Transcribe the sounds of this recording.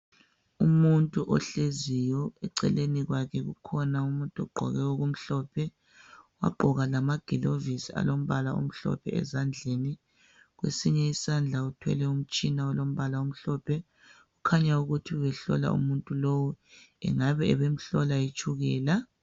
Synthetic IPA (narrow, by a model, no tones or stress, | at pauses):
umuntʼuʔɔ̰ɬezijɔɛǀɛ̰leniɣwakʰɛɣṵkʰɔnaumuntʼɔɡ͡ǃʱɔ̰ɣɛoɣum̩ɬɔːpʰɛ | wa̰ɡ͡ǃʱɔɣalamaɡ̥ʱilovisia̰lom̩βalaṵm̩ɬɔ̰pʰɛ̰ɛ̰zand͡ɮʱeni | ɣwḛsiɲɛisand͡ɮʱautʰwɛ̰lɛum̩t͡ʃʼinaɔlom̩βalaum̩ɬɔpʰɛ | ɣukʰaɲauɣutʰiwɛɬɔ̰la̰ṵmuntʼulowuɛ̰ŋaβɛɛβem̩ɬɔlajit͡ʃʰʼuɣɛːla